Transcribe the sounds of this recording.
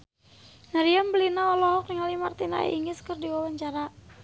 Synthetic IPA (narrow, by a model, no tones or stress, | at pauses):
naɾiambəlinaɔlɔɦɔknŋalimart̪ina̰iŋɪskərdiwawaɲt͡ʃaɾa